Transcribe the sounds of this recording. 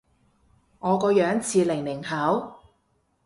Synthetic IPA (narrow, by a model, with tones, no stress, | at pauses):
ŋɔː˨˧kɔː˧jœː˨˥ŋt͡sʰiː˧lɪ˨˩ŋlɪ˨˩ŋhɐ˨˥w